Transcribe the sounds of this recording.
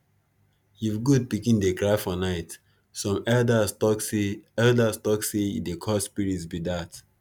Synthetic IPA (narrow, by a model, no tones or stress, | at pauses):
juvɡud̚pikĩndekɹaɪfɔnaɪt | sɔ̃mɛldaɔɛldastɔksedekʰɔspiɹitsbidat